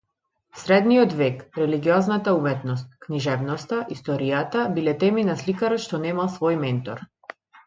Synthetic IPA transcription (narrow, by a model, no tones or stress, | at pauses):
sɾɛd̪niɔd̪vɛkɾɛliɡiɔznat̪aumɛt̪nɔst̪̚kniʒɛvnɔst̪aʔist̪ɔɾijat̪abilɛt̪ɛminaslikaɾɔt̪ʃt̪ɔnɛmalˠsvɔjmɛnt̪ɔ̰ɾ